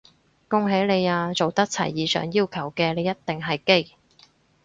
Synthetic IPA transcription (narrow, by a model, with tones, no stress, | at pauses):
kʊ˥ŋɦe˨˥jle˨˧jaː˧t͡so˨wt̪ɐ˥k̚t͡sʰɐ̰˨˩jːiː˨˧sœ̰ː˨˩ŋjiː˥wkʰɐ˨˩wkɛː˧le˨˧jːɐ˥t̚t̪ːɪ˨ŋɦɐ˨jke˥j